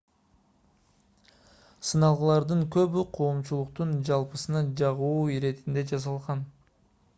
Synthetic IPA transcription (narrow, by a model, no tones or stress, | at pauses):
sɯnɑlˠʁɯlˠɑɾd̪ɯŋkø̞βyqʰo̞ːmt͡ʃulˠuqt̪und͡ʒɑlˠpɯsɯnɑd͡ʒɑʁuuːiɾe̞t̪ind̪e̞d͡ʒɑzɑlˠʁɑn